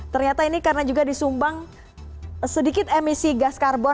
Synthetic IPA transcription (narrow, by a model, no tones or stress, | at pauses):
t̪ərɲat̪ainikarənad͡ʒuɡadisumbaŋ | sədikɪt̪emisiɡaskarbɔ